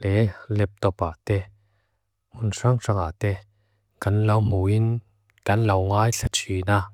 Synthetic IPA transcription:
lɛlɛp̚t̪ɔpat̪ɛ | mʊnsaŋʂaŋat̪ɛ | kɐnlɐwmuin | kɐnlɐwŋaːjɬʰat͡sʰina

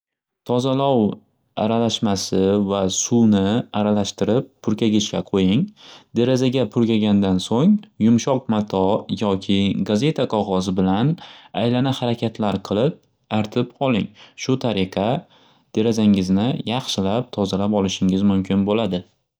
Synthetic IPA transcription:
t̪ʰɒzalɒw | aɾalaʃmasɪvasunɪaɾalaʃt̪ɪɾɪpʰːʊɾkʲʰaɡʲɪʃkʲaqʰojɪŋd̪e̞ɾazaɡʲapʰʊɾkʲaɡʲand̪ansoŋjʊmʃɒq̚mat̪ʰɒjɒkʲʰɪɡaze̞t̪ʰaqʰɒʁɒzɪbɪlanajlanahaɾakʲʰat̪ʰlaɾqʰɨlˠɪp̚ | aɾt̪ʰɪpqɒlˠɪ̰ŋʃʊt̪ʰaɾɪqʰɑ | d̪̥e̞ɾazaŋɪznɪjɑχʃɪlap̚t̪ʰɒzalapɒlɪʃɪŋɪzmʊmkʰʲɪnbolad̪ɪ

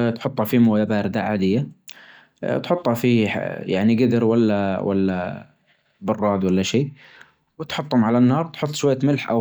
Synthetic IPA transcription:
t̪ħʊt̪ˤːɑfimoːjabaːɾd̪aʕaːd̪ɪjːa | t̪ħʊt̪ˤːhɑfḭja̰ʕniɡɪd̪ɪɾwalːawa̰lːa̰ | bɑrˤːɑːd̪walːaʃiː | wɪt̪ħʊt̪ˤːhʊmʕalanːɑːɾˤt̪ħʊt̪ˤːʃʊwajːamɪlħʔa̰

